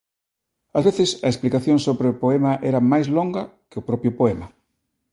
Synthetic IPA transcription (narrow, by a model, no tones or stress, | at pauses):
ɐzβeθɪsɐesplikaθjoŋsoβɾeʊpoɛmaʔɛɾɐmajzloŋɡɐkɪʊpɾɔpjʊpoɛmɐ